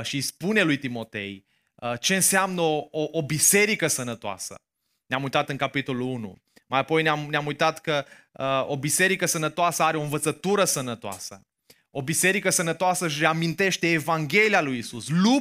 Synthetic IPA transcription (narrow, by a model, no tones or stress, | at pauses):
ʃispune̞lujt̪imo̞t̪e̞̰j | ət͡ʃe̞ɨnseamnəooʔobise̞ɾikəsənət̪oa̰sə̰ | neamujt̪at̪ɨŋkapit̪o̞lulunṵ | majapo̞jneamneamujt̪at̪kə | əobise̞ɾikəsənət̪oasəaɾeoɨnvət̪sət̪uɾəsənət̪oa̰sə̰ | o̞bise̞ɾikəsənət̪oasəʃɾeamint̪e̞ʃt̪e̞ːvaŋɡʲe̞lialujisuslu